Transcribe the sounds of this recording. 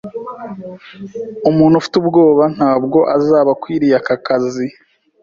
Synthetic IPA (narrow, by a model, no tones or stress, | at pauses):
umuːn̥hufi̥tubɡo̞ːβan̥haːbɡo̞ʔazaːβakwiːɾijakakazi